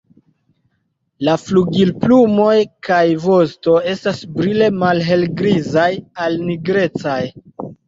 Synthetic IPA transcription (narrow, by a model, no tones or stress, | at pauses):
lafluɡilplumo̞jkajvo̞sto̞e̞stasbɾile̞malɦe̞lɡɾizajalniɡɾe̞t͡saj